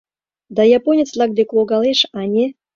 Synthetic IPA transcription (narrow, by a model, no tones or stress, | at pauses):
d̪ajaponʲɪt̪slˠaɡ̚d̪eklˠoɡalˠeʃanʲe